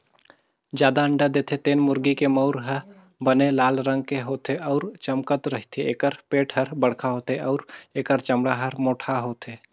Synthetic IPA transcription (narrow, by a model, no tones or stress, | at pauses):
d͡ʒjaːd̪aəɳɖad̪eːt̪ʰet̪eːnmʊɾɡikemɔʊɾɦəɾ | bənelaːlɾə̃ŋɡ̚keɦoːt̪eʔɔːɾt͡ʃəmkət̪ɾəɦit̪ʰeeːkəɾpeːʈʰɦəɾbəɽkʰaɦoːt̪eʔɔːɾeːkəɾt͡ʃəmɽaɦəɾmoːʈʰaɦoːt̪ʰeː